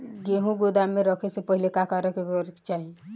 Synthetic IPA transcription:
ɡeɦũɡod̪ameɾəkʰesepəɦilekakaɾəkeɾt͡ʃaɦi

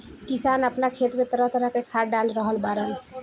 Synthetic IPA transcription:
kisanapnakʰet̪met̪ɔɾɔt̪ɔɾakekʰaɾɖanɾɔɦɔlbaɾɔn

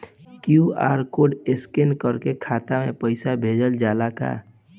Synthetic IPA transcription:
kjua̰ːɾkoːɖeskɪnkəɾkekʰaːt̪amẽpəɪsabʱeːd͡ʒəld͡ʒaːlaka̰

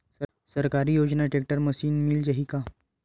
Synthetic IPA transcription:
səɾkaɾiːjod͡ʑnaʈek̚ʈəɾməsiːnmild͡ʑaɦiːka

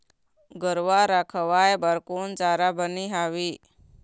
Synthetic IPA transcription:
ɡəɾʋaɾakʰəʋajbaɾkuːnt͡saɾabəniɦaʋi

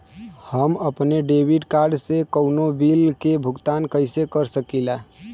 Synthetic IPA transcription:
həməpneɖeʋiɖkaɾɖsekəʊnobilkebʱʊɡt̪ankəɪsekəɾsəkila

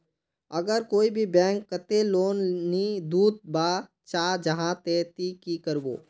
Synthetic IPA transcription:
əɡəɾkoːibʱibɛ̃ːŋkːət̪eloːnːid̪uːd̪̚baː | t͡ʃaːd͡ʒəɦãt̪eːt̪ikikəɾbo̰ː

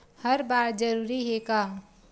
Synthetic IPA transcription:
həɾbaːɾd͡ʒəɾuɾiɦeka

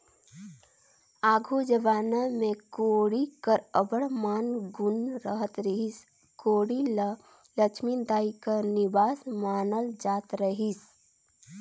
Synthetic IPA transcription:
aːɡʱud͡ʒəbaːnamẽkoːɽikəɾəbəɽmaːnɡʊnɾəɦət̪ɾiɦis | koːɽila | lət͡ʃʰmind̪aːikəɾnɪbaːsmaːnəld͡ʒaːt̪ɾəɦis

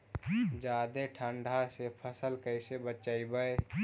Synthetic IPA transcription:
d͡ʒad̪eʈʰəɳɖʱasepʰəsəlkəɪsebət͡ʃaɪbəj

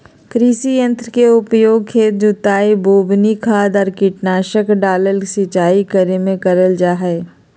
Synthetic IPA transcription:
kɾiːsijə̃nt̪ɾəkeʊpjoːɡ̚kʰeːt̪̚d͡ʒʊt̪aːiboːbnikʰaːd̪ɔːɾkɪʈnaːʃəkɖaːləlisɪt͡ʃaːikəɾemẽkəɾəld͡ʒaːɦɛː

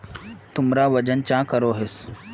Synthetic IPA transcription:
t̪ʊmɾaːʋɐd͡ʒənt͡ʃãːkəɾoːɦɪs

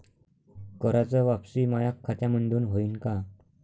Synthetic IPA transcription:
kəɾat͡səʋapsiːmajakʰːat̪jaməɳɖuːnɦoinka

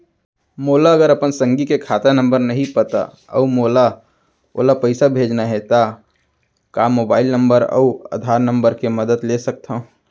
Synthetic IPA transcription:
moːlaəɡəɾəpənsə̃ŋɡikekʰaːt̪anə̃mbəɾnɐɦĩpət̪a̰ | ə̰umoːla | o̰ːlapəɪsabʱeːd͡ʒnaɦɛt̪a | kamoːbaːɪlnə̃mbəɾə̰ə̰d̪ʱaːɾnə̃mbəɾkeməd̪əd̪lesək̚t̪ʰa

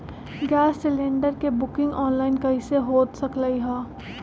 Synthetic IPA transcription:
ɡɛːsːɪlẽːɳɖəɾkebʊkɪ̃ŋɡɔːnlaːɪnkɐɦiseɦoːt̪sɐkləiɦɛ̃ː

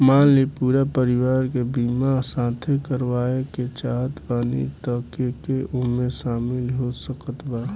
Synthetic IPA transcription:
maːlipuːɾapəɾɪwaːɾkebiːmasãːt̪ʰekəɾwaːeket͡ʃaːɦət̪baːnḭt̪əkekeʔʊmẽsaːmɪlɦosəkət̪baː

